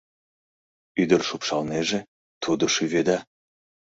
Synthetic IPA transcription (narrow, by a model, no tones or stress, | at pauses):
yd̪ərʃupʃɑlneʒe | t̪ʰud̪oʃyβed̪ɑ